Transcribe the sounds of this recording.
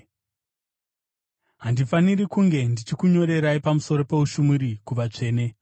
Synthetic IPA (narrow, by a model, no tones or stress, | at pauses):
ɦandifanirikuŋɡe̞ndit͡ʃikuɲo̞ɾe̞ɾaipamuso̞ɾo̞pe̞uʃumuɾikuʋat͡ʂe̞ːne̞